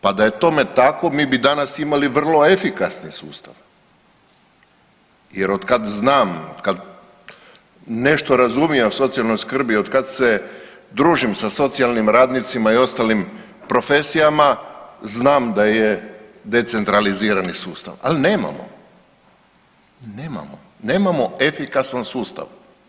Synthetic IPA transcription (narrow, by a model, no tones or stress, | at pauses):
pad̪ajet̪o̞me̞t̪ako̞miːbid̪anasimaliʋr̩lˠo̞e̞fikasnisuːst̪aʋ | jeɾo̞d̪kad̪znaːmod̪kad̪ | ne̞ʃt̪o̞ɾazumijeso̞t̪sialˠno̞jskr̩bio̞d̪kad̪se̞ | d̪ɾuːʒimsaso̞t̪sialnimɾaːd̪nit̪simaio̞st̪alim | pɾo̞fe̞sijamaznaːmd̪ajed̪e̞t̪se̞nt̪ɾaliziːɾanisuːst̪a̰ʋa̰line̞ːma̰mo̰ | neːma̰mo̰ | ne̞ːmamo̞e̞fikasansuːst̪a̰ʋ